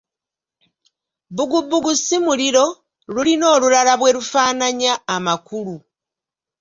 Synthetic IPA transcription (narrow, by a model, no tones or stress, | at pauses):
βuɡubːuɡusimuliɾo̞ | lulino̞ːlulalaβwe̞ɾufaːnaɲaːmakulu